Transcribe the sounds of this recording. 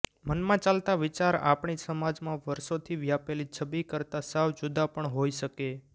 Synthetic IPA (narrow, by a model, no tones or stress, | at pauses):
mənmãt͡ʃalt̪aʋɪt͡ʃaɾa̰pɳisəmad͡ʒmãʋəɾʃot̪ʰiʋjapelit͡ʃʰəbikəɾt̪asaʋd͡ʒud̪apəɳɦoiʃəke